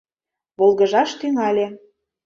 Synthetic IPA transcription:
βolˠɣə̆ʒɑʃt̪yŋɑlʲe

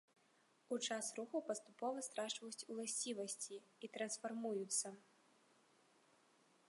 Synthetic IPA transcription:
ut͡ʂasruxɐwpɐst̪upɔvɐst̪ɾaʂvɐjut͡sʲulˠasʲt͡sʲivɐsʲt͡sʲiit̪ɾɐnsfarmujut̪sːɐ

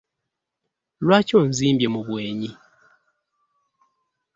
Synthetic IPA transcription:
lwaconziːmbje̞muβweːɲi

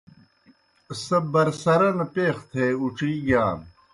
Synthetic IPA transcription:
sɐbɐɾsɐɾɐnpeːxt̪ʰeːuʈ͡ʂɾiːɡjaːn

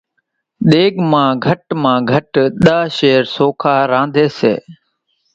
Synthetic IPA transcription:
ɗ̪eːɠmãːɡʱəʈmãːɡʱəʈɗaːʃeːɾsoːkʰaːɾãːnd̪ʱeːsḛː

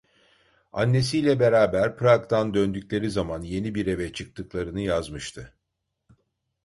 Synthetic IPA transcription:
a̰nːe̞sijlʲɛbe̞ɾaːbæɾpɾakt̪ʰand̪ønd̪ycʲlʲe̞ɾizamanje̞nibiɾe̞vɛt͡ʃʰɯk̚t̪ʰɯklˠaɾɯnɯjazmɯʃt̪ʰɯ

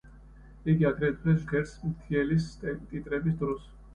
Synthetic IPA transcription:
iɡiaɡɾɛt̪̚ʼʰɾɛsɡɛɾsmt̪ʰiɛlist̪ʼit̪ʼɾɛbis̬d̪ɾɔs

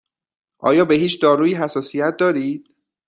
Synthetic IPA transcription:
ʔɒ̰ːjɒːbe̞ɦiːt͡ʃʰd̪ɒːɾuːjiɦæsɒːsijæt̪̚ʰd̪ɒːɾiːd̪̥̚

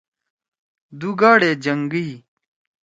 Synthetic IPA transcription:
d̪uɡaːɽeːd͡ʑɐŋɡij

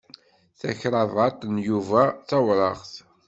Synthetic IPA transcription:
θæçɾˤɑvɑt̪ˤnjuvæθɑwɾˤɑʁθ

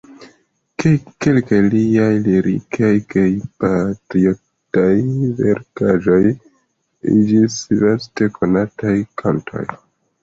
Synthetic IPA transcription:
keke̞lkajliajliɾḭkʰajkʰajpatɾio | tajvḛɾkaʒo̞j | ḭd͡ʒislaste̞kʰo̞natajkʰantʰo̞̰j

